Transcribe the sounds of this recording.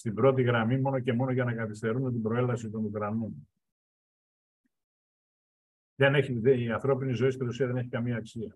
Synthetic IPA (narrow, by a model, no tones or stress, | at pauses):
st̪ibɾo̞t̪̬iɣɾɐmimo̞no̞ce̞mo̞no̞ʝɐnɐkɐθist̪e̞ɾunot̪ibɾo̞e̞lɐsit̪o̞nukɾɐnon | ðeneçieiɐnθɾo̞pinizo̞ist̪iɾusiɐðene̞çi̥kɐmiɐːksiɐ